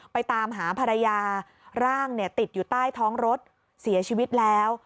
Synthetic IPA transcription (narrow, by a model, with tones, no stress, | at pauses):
pa˧jt̪aː˧mɦaː˩˦pʰa˧ɾa˧jaː˧ | ɾaː˥˩ŋni˥˩ɐt̪i˨˩t̪̚juː˨˩t̪aː˥˩jt̪ʰɔː˦˥ŋɾo˦˥t̪̚ | si˩˦ɐt͡ɕʰiː˧wi˦˥t̪̚lɛː˦˥w